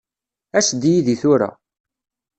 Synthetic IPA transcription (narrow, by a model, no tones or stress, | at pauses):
æsd̪ijiðiθʊɾa̰